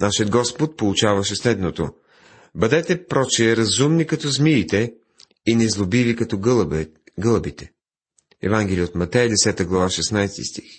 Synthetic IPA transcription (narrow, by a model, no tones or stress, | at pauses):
naʃiəd̪ɡɔspot̪̚polˠut͡ʃavɐʃɛslɛd̪not̪o̰ | bɐd̪ɛt̪ɛpɾɔt͡ʃɛɾɐzumnikɐt̪ɔzmilit̪ɛ | inɛzlˠobivikɐt̪ɔ | ɡɤlˠəbit̪ɛ̥ | ɛ̰vaŋɡɛlʲiəot̪mɐt̪ɛjəd̪ɛsɛt̪əɡlˠɐvaʃɛsnajst̪ḭst̪ix